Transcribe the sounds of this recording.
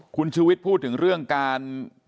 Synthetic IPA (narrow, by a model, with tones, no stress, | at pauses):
kʰu˧nt͡ɕʰuː˧wi˦˥t̪̚pʰːuː˥˩t̪ʰːɯ˩˦ŋɾɯ˥˩əŋkaː˧n